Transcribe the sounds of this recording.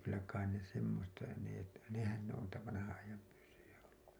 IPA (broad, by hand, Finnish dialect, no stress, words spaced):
kylːæ kɑin ne semːostɑ neˑ nehæn ne on niːtæ ʋɑnɑhɑ̃ːɑjɑm pysːyjæ olːu